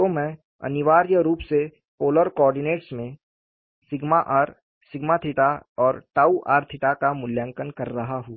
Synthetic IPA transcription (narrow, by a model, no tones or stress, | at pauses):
t̪omɛ̃ː | ɐ̰nɪʋaːɾjəɾuːpse | poːləɾkɔːɾɖɪneːʈsmẽ | sɪɡmaʔaɾ | sɪɡmat̪ʰɪʈaɔːɾʈaːuʔa̰ːɾt̪ʰɪʈakamʊljə̃ŋkənkɐɾːɐɦaɦũː